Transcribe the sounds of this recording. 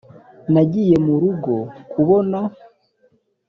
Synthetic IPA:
naɟije̞muɾuɡo̞kuβo̞na

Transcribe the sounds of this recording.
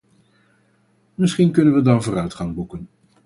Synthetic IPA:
mɪsχinkɵnənʋədɑnvʊːrœɥtχɑŋbukən

